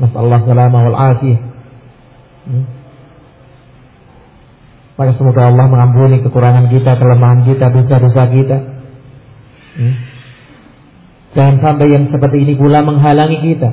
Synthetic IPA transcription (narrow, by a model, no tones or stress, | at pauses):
masa̰lːɑhsalamawalʕaːfija | makasəmoɡaɑlːɑhməŋampunikəkuɾaŋank̬it̪akələmaɦank̬it̪adosadosak̬it̪a | d͡ʒaŋansampajaŋsəpərt̪iːnipulaməŋɦalaŋikit̪a